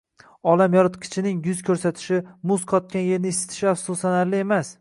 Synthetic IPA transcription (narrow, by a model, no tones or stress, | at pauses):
ɒlamjɒɾɪt̪kʲʰɪ̥t͡ʃʰɪnɪŋjʊzkʲʰɵɾsat̪ʰɪ̥ʃɪmʊzqʰɒt̪̚kʲanje̞ɾnɪɪsːɪ̥t̪ʰɪ̥ʃɪafsosanaɾlɪe̞mas